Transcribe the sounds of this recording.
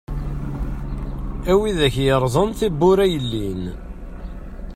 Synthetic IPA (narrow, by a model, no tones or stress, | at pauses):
æwiðæçjəɾˤðˤənθibːʊɾæjəlːin